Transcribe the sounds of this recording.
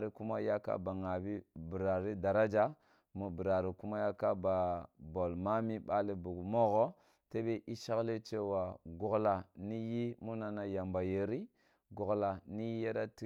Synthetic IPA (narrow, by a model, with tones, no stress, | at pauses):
ɾi˨ku˦ma˦ja˦ka̰˦ba˨ŋa˨bi˦bi˨ɾa˨ɾi˦da˨ɾa˦d͡ʒa˦ | mu˨bi˨ɾa˨ɾi˨ku˦ma˦ja˦ka˦ba˨bo˨lma˦mi˦ba˦li˨bu˨ɡmo˦ɣo˦ | te˦be˦ʔi˦ʃa˦kle˦t͡ʃe˦wa˨ɡu˨kla˨ni˦ji˦mu˦na˨na˦ja˨mba˨je˨ɾi˦ | ɡo˨ɡla˨ni˦ji˦ja˦ɾa˦ti˦